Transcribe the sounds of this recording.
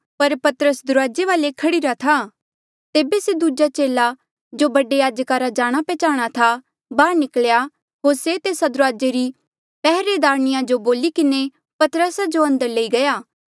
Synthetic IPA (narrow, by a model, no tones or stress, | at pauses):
pɐɾpɐt̪əɾəsd̪ʊɾaːd͡ʒeʋaːlekʰɐɽiɾat̪ʰa | t̪eːbesed̪ud͡ʒat͡ʃeːla | d͡ʒobɐɖejaːd͡ʒəkaɾad͡ʒaːɽ̃apɛːt͡ʃaːɽ̃at̪ʰa | baːɾnɪklja | ɦoːɾset̪eːsad̪ʊɾaːd͡ʒeɾi | pɛɦɾed̪aːɾñɪjãd͡ʒoboːlikɪne | pɐt̪ɾəsad͡ʒoɐ̃nd̪əɾleiɡɐjaː